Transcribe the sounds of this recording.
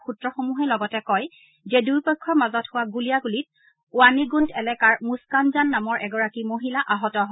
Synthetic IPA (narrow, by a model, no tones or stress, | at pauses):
xutɹɔxomuɦɛlɔɡɔtɛkɔj | zɛdujpɔjkʰːɔmazɔthʊwaɡulijaɡulit̚ | ʊwaniɡuntɛlɛkaɹmuskanzanːamɔɹʔɛɡɔɹakimoɦilaʔaɦɔtɔɦ